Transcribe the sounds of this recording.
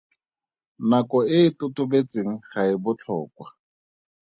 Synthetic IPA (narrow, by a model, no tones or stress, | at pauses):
nakɔɪːtʊtʊbet͡seŋ̩χaɪbʊt͡ɬʰɔ̰ːkwa